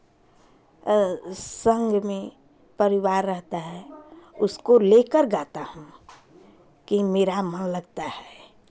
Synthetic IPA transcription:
sə̃ŋɡʱmẽ | pəɾɪwaːɾːəɦt̪aɦɛʊskoleːkəɾɡaːt̪ahũ | kimeːɾamənləɡt̪ahɛː

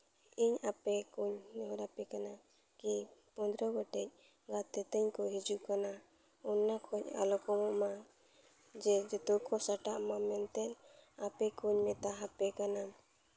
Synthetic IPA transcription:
iɲapɛkuɲnɔɦɔɾapɛkana | kipɔnd̪ɾɔɡɔʈɛc̚ | ɡat̪ɛt̪əɲkɔɦid͡ʒuʔkana | ɔnːakʰɔc̚a̰lɔkɔmɔʔma | d͡ʒɛd͡ʒɔt̪ukʰɔsaʈaʔmamɛnt̪ɛlapɛkuɲmɛt̪aɦapɛkana

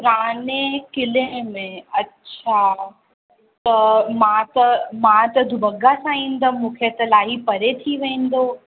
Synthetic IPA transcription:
pʊɾaːnekɪlemẽɐtːɕʰa | t̪ɐmãt̪ɐmãt̪ɐd̪ʱʊbɐɡasãĩːn̆d̪ɐmũːkʰet̪ɐlaːɦipɐɾet̪ʰiʋẽːn̆d̪oː

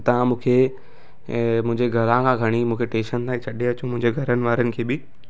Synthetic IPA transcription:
t̪ɐ̤ãmũːkʰeː | mʊ̃ɦɪ̃ɲd͡ʑeɡʱɐlãkʰãːɡʱɐɽ̃imũːkʰeʈẽːʃənt̪aːĩt͡ɕʰɐɗeɐt͡ɕũmʊ̃ɦɪ̃ɲd͡ʑeɡʱɐɾənɪ̆ʋaːɾənɪ̆kʰeːbɪ

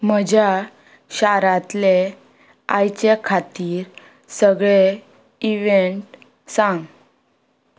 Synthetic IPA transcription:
m̤əd͡ʑʱja | ɕaɾãt̪le | ajt͡ɕekʰat̪iːɾ | səɡɭe | iʋeɳʈ | sãŋɡ

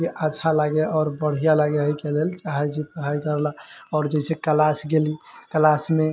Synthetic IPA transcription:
iʔaːʃʰalaɡeɔɾbəɽ̤ijalaɡeɦəikelelt͡ʃaɦɛt͡ʃipəɾ̤ɦajkəɾlaɔːɾd͡ʒɛɪsekəlasɡelikəlasme

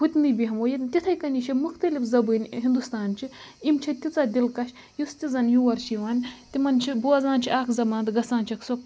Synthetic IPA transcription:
ɦut̪ʲnɨbʲiɦɐmoːjit̪it̪ʰɐjkɐnʲit͡ʃʰimuxt̪ɐlʲifzɐbɨnʲɦind̪ust̪aːnt͡ʃʰiimt͡ʃʰɐt̪ʲit͡saːd̪ʲilkɐʃʲ | just̪ʲizɐnʲjuʋɐɾʃiʋaːnʲt̪ʲimɐnt͡ʃʰibuɐzãːnt͡ʃʰiaːkʰzɐmɐnt̪ɡɐsaːnt͡ʃʰɐksok

